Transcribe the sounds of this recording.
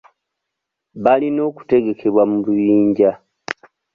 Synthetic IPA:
βalino̞ːku̥te̞ɡe̞kʰe̞βwamulujiːɲɟa

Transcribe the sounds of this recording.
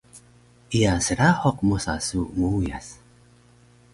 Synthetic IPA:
iasəɾaħoq̚mosa̰sumuuja̰s

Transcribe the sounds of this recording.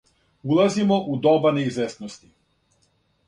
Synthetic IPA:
ulˠazimoʔud̪obaneizʋest̪nost̪i

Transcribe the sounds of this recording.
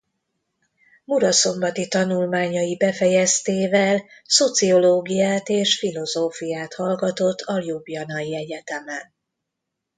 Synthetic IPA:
muɾɒso̞mbɒt̪it̪ɒnulmaːɲɒjibɛfɛjɛst̪eːvɛlso̞t̪sio̞loːɡijaːt̪eːʃfilo̞zoːfijaːt̪hɒlɡɒt̪o̞t̪ʰːɒljubjɒnɒjiɛɟɛt̪ɛmɛn

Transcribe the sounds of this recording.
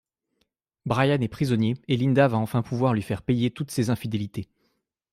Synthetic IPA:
bʁajanɛpχizɔnjeelind̪avaɑ̃fɛ̃puvwaʁlɥifɛʁpejet̪ut̪sezɛ̃fid̪elit̪e

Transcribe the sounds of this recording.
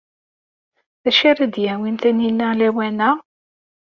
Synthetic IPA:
θæʃaɾæd̪jæwinθæninːælæwænæ

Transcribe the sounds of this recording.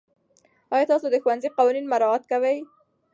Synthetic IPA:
ɑjɑt̪ɑsod̪əxuwanziqɑwɑninmaɾɑat̪̚kawəj

